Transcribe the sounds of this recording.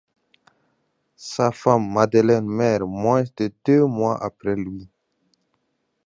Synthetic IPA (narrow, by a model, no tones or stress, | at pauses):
safamːad̪əlɛnmɛʁmwɛ̃sd̪əd̪̥ømwaʔa̰pɾɛlɥi